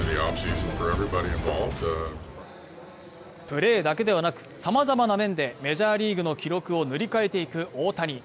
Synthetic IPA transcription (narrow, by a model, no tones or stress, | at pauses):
nðiɑpsiz̃nfə˞ɛvɹibɑɾiɨ̃ɱvɑ̰lˠvd̥ | pɯ̟ɾe̞ːd̪ake̞d̪e̞βanakɯ̟̥samazamanamẽ̞nd̪e̞me̞ʑaːɾʲiːɡɯ̟no̞kʲʰiɾo̞kɯ̟o̞nɯ̟ɾʲikae̞t̪e̞ikɯ̟ʔo̞ːt̪aɲ̟i